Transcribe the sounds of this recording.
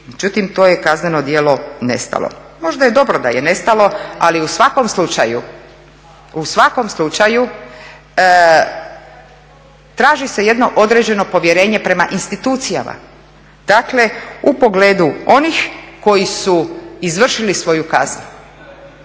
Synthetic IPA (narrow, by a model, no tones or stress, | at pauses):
med͡ʑut̪imt̪o̞ːje̞kazneno̞d̪je̞ːlo̞ne̞̰st̪a̰lˠo̰ | mo̞ʒd̪ajed̪o̞bɾo̞d̪a̰jene̞st̪alo̞aliusʋako̞mslut͡ʃa̰jṵ | usʋako̞mslˠut͡ʃaju | t̪ɾaːʒise̞je̞d̪no̞ʔo̞d̪ɾed͡ʑe̞no̞po̞ʋje̞ɾe̞ːɲe̞pɾe̞maʔinst̪it̪uːt̪sija̰ma̰ | d̪̥akle̞upo̞ɡle̞ːd̪uo̞nixko̞jisuizʋr̩ʃilisʋo̞jukaznu